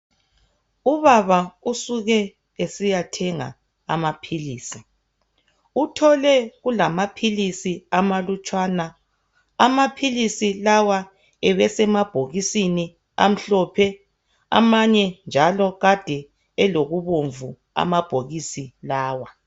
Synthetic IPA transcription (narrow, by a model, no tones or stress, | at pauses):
uβaβausuɣɛ | esijatʰɛŋa̰ | a̰mapʰiliːsi | utʰɔlɛɣulamapʰilisiamalut͡ʃʼwaːna | amapʰilisilawa | ɛβɛsɛmab̥ʱoɣisini | a̰m̩ɬɔpʰɛ | a̰maɲɛnd͡ʒʱalɔɣad̥ʱɛ | ɛloɣuβoɱvu | a̰mab̥ʱoɣisilaːwa